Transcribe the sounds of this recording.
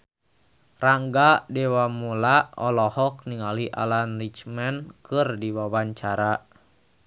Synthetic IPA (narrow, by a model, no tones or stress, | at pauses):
raŋɡadɛwamulaɔlɔhɔk̚niŋaliʔa̰lanrit͡ʃmɛnkɨrdiwawaɲt͡ʃaɾa